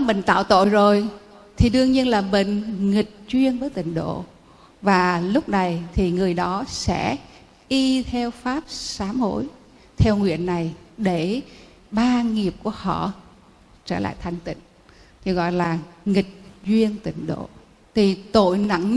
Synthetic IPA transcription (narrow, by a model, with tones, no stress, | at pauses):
mï˧˨ŋ̟t̪a̰ː˧˨wt̪o̰˧˨jzo˨˩j | t̪ʰi˨˩ɗɨ˧əŋɲi˧ənlaː˨˩ɓḛ˧˨ŋ̟ŋï˨˩k̚zwi˧ənvəː˨˦jt̪ï˧˨ŋ̟ɗo̰˧˨ | vaː˨˩lʊ˦˥k͡p̚na˨˩jt̪ʰi˨˩ŋɨ˨˩əjɗɔ˨˦sɛ̰˧˥ | ʔi˧t̪ʰɛ˧wfaː˦˥p̚saː˨˦mho̰˧˨j | t̪ʰɛ˧wŋwḭ˧˨ənːa˨˩jɗe˧˩ | ɓaː˧ŋi˨˩əp̚ku˧˩əhɔ̰˧˨ | t͡ɕəː˧˩la̰ː˧˨jt̪ʰa˨˩jŋ̟t̪ḭ̈˧˨ŋ̟ | t̪ʰi˨˩ɣɔ̰˧˨jlaː˨˩ŋï˨˩k̟̚zwi˧ənt̪ï˧˩ŋ̟ɗo̰˧˨ | t̪ʰi˨˩t̪o̰˧˨jna̰˧˩ŋ